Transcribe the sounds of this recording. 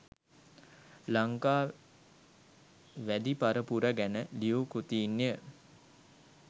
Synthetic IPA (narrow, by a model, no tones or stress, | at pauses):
laŋkaː | ʋæd̪ipaɾəpuɾəɡænəliukut̪iːnːejə